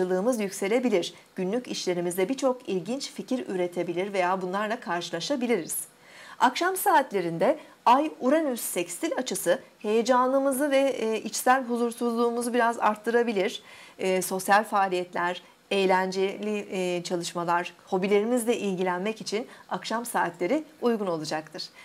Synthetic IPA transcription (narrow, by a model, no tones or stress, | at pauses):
ɯlˠɯːmɯzjycse̞lʲe̞bilʲiɾ̥ | ɟ̥ynlʲyciʃlʲe̞ɾimizd̪ɛbit͡ʃʰo̞kilʲɟint͡ʃficʰiɾy̰ɾe̞t̪ʰe̞bilʲiɾve̞jaːbunlˠaɾlˠakʰaɾʃɯlˠaʃabilʲiɾiz̥ | akʃamsaːt̪lʲe̞ɾind̪ɛ | ajuɾanyzsɛcst̪ʰilʲat͡ʃʰɯsɯhe̞jed͡ʒanlˠɯmɯzɯvɛit͡ʃsælʲɦuzuɾsuzlˠuːmuzubiɾaza̰ɾt̪ʰːɯɾabilʲiɾ̝̥ːso̞sjalʲfaːlʲijɛt̪lʲæɾ̥ | ejlʲænd͡ʒelʲit͡ʃʰalˠɯʃmalˠaɾ̥ho̞bilʲe̞ɾimizd̪ʲɛʔilʲɟilʲænmɛcit͡ʃʰinakʃamsaːt̪lʲe̞ɾiujɡuno̞lˠud͡ʒak̚t̪ʰɯɾ̥